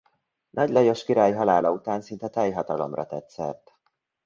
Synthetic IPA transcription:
nʔɒɟlɒjoʃkiɾaːjɦɒlaːlɒut̪aːnsint̪ɛt̪ɛjɦɒt̪ɒlo̰mrɒt̪ɛt̪sɛ̰rt̪

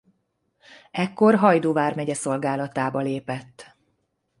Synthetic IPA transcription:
ɛkːo̞rɦɒjd̪oːvaːrmɛɟɛso̞lɡaːlɒt̪aːbɒleːpɛt̪ː

